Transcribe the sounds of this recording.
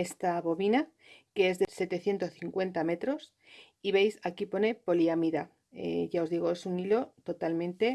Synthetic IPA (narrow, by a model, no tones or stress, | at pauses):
est̪aβo̞βina | keezðe̞se̞t̪e̞θje̞nt̪o̞sθiŋkwe̞nt̪ame̞t̪ɾo̞s | iβe̞jsakipo̞ne̞po̞liamiða̰ | ʝao̞zðiɣ̞o̞e̞sunilo̞t̪o̞t̪almẽ̞nt̪e̞